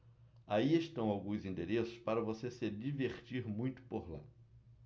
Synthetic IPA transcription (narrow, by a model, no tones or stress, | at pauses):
aieʃt̪ɐ̃w̃awɡũjzĩnd̪eɾesʊ̥spaɾɐvosesɪd͡ʒiveχt͡ʃiɾmũj̃t̪ʊ̥poɾla̰